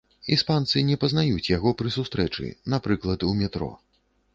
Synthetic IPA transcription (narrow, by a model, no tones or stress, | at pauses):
ispant̪sɨnʲɛpɐznajut͡sʲjaɣɔpɾɨsust̪ɾɛt͡ʂɨ̰napɾɨklˠɐt̪umʲɛt̪ɾɔ̰